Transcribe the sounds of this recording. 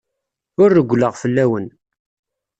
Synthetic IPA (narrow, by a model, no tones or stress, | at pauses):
ʊɾːəɡʷləʁfəlːæwən